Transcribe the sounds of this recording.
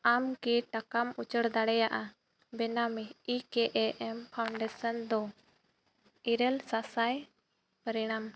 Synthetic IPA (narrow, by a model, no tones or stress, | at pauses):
amkiʈakamut͡ʃəɽd̪aɽɛjaʔa | bɛnamiikɛʔɛʔɛmpʰawɳɖɛsənd̪ɔ | iɾəlsasaj | pəɾiɽ̃am